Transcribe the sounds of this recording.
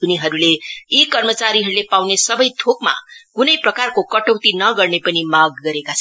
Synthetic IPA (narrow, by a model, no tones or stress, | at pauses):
uniɦʌɾuleikʌrmʌt͡saɾiɦʌɾulepawnesʌbʌjt̪ʰokma̰kunʌjprʌkarkokʌʈʌwt̪inʌɡʌrnepʌnimaɡːʌɾekat͡sʰʌn